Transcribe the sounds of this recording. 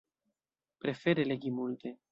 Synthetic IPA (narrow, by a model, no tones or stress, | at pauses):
pɾe̞fe̞ɾeleɡimult̪e